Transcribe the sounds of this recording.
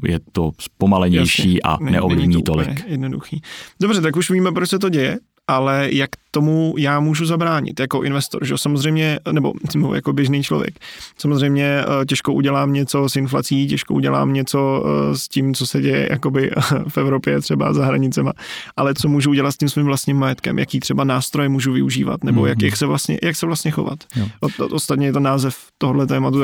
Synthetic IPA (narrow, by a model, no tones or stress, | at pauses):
jɛ̰t̪ospomalɛɲjajʃɛiːʔa̰nnɛ̰ʔovlɪmɲit̪olɪ̰ɛkjɛdnodṵxiːdobr̝ɛt̪̬akuʃviːmɛpɾot͡ʃsɛt̪o̞ɟɛjɛ | ʔalɛjakt̪o̞mujaːmuːʒuzabɾaːɲɪ̰t̪jako̞ʔɪnvɛst̪o̰ɾʒɛosamozrɛjmɲɛnɛbo̞̰smo̰ja̰ko̞bjɛʒniːt͡ʃlo̞vjɛ̰ksamozrɛjmɲɛc̬ɛʃkoʔuɟɛlaːmɲɛt͡so̞sɪnfla̰t͡siːcɛʃkoʔuɟɛ̰la̰ːmɲɛt͡so̞scimt͡sosɛɟɛjɛ̰jʔa̰ko̞bɪfɛvɾo̞pjɛt̪r̥ɛba̰zaɦɾaɲɪt͡sɛma̰ʔalɛt͡somuːʒuuɟɛlat̪scimsviːmvlast̪ɲimːajɛt̪kɛ̰mja̰kiːt̪r̝̥ɛbanaːst̪ɾojɛmuːʒuvɪuʒḭːva̰t̪nɛbojakjaksɛvlast̪ɲɛ̰jaksɛvlast̪ɲɛxo̞̰va̰t̪ʔo̰ost̪at̪ɲɛjɛt̪onaːzɛf | t̪oɦodlɛt̪ɛːmat̪u